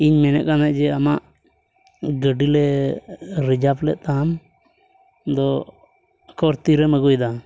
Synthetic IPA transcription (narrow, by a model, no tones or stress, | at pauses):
iɲmɛnɛ̰ʔ̚kanaʔd͡ʒɛamaʔ | ɡəɖilɛ | ɾid͡ʒaplɛʔ̪̚ˀt̪am | d̪ɔ | kɔɾt̪iɾɛməɡɔjd̪a